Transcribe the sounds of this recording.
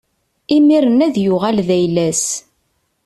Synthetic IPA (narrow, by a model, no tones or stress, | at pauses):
imiɾənæðjʊʁælðæjlæs